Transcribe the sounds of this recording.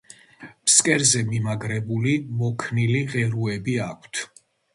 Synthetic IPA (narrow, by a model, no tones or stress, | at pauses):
mskʼɛɾzɛmimaɡɾɛbulimɔkʰniliʁɛɾuɛbiakʰt̪ʰ